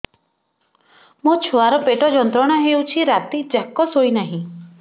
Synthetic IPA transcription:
mũt͡ʃʰoaɾɔpeʈɔd͡ʒɔnt̪ɾɔɽ̃ɔɦewt͡ʃʰiɾat̪id͡ʒakːɔsojnaɦĩ

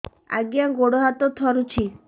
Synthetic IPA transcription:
a̰ɡjaɡoɽɔɦat̪ɔt̪ʰɔɾut͡ʃʰi

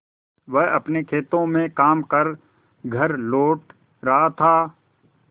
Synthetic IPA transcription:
ʋɛɦɐpnekʰeːt̪õmẽkaːmkɐɾ | ɡʱɐɾloːʈ | ɾɐɦat̪ʰaː

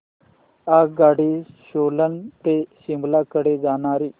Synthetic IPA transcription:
aɡaɽiɕolənt̪eɕimblakəɽed͡zañaːɾiː

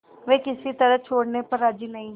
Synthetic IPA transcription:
ʋeːkɪsit̪əɾət͡ʃʰoːɽnepəɾɐd͡ʒinɐĩːɦ

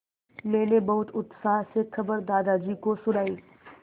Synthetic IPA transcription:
mɛ̃ːnebɐɦʊt̪ʊt̪saːɦsexʰɐbəɾd̪aːd̪ad͡ʒiːkosʊɽaːĩː

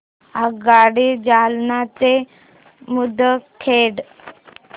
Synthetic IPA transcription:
aɡaɽid͡ʑalnat̪e | mud̪ʱəkʰeɽ

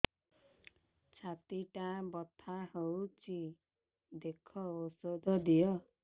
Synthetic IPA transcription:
t͡ʃʰat̪iʈãbɔt̪ʰahowt͡ʃʰi | d̪ekʰɔosod̪ʱɔd̪ijɔ

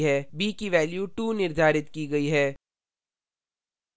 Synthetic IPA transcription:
ɦɛːbiːkiʋɛːljuʈuːnɪɾd̪ʱaːɾɪt̪kiɡɐiɦɛː

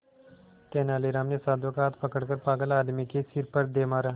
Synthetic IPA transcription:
t̪eːnaːleɾaːmnesaːd̪ʋokaːt̪pɐkəɽkəɾpaːɡəlaːd̪mikesiɾpəɾd̪eːmaːɾaː

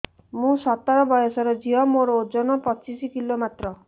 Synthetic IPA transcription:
mũsɔt̪aɾɔbɔjɔsɔɾɔd͡ʒiɦɔmoɾɔod͡ʒɔnɔpɔt͡ʃisikilomat̪ɾɔ

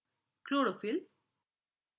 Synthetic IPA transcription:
kloːɽofil

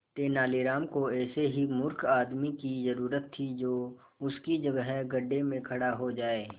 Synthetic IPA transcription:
t̪eːnaːliɾaːmkoɛːseɦimʊɾkʰaːd̪mikizəɾuːɾət̪ʰːid͡ʒoː | ʊskid͡ʒɐɡəɦɛɡɐɖːemẽkʰɐɽaɦod͡ʒaːeː

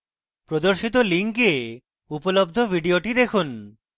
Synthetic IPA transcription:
pɾod̪oɾʃit̪oliŋke | upolob̚d̪ʱobʱiɖioʈid̪ekʰun

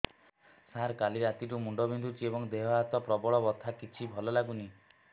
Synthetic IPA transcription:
saɾkaliɾat̪iʈ̬umuɳɖɔbʱind̪ut͡ʃʰiebɔŋd̪eɦɔat̪ɔpɾɔbɔɭɔbɔt̪ʰakit͡ʃʰibʱɔlɔlaɡuni

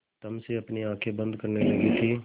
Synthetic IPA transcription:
t̪ɐmseɐpniãːkʰebɐ̃nd̪kɐɾnelɐɡit̪ʰiː

